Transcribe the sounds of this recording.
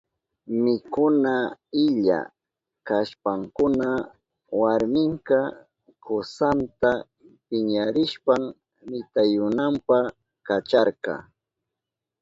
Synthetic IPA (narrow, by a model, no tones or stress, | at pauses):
mɪkʊnaɪʎa̰ | kaʃpaŋkʊna | waɾmɪŋkɑ | kosant̪a | pɪɲaɾɪʃpam | mɪt̪ajʊnampa | kat͡ʃaɾkɑ̰